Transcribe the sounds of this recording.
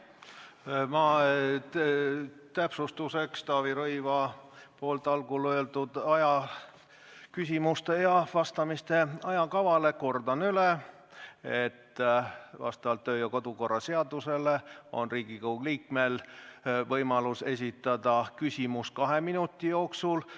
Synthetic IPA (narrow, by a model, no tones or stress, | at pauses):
mɑ | t̪æpsust̪use̞kst̪ɑːviɾɤjvɑpoːlt̪ːˑɑlɡuløld̪ud̪̥ɑjɑ | kys̬ʲimust̪e̞jɑvɑst̪ɑmist̪e̞ɑjɑkɑvɑle̞ko̞rd̪ɑnyle | et̪ː | vɑ̰st̪ɑvɑlt̪ːøːjɑko̞d̪̥uko̞rːɑse̞ɑd̪̥use̞le̞o̞̰nriːɡ̥ikowɡliːkmel | vɤjmɑluse̞s̬ʲit̪ːˑɑd̪ɑkysʲimus̚kɑɦe̞minut̪ˑːijo̞ːksul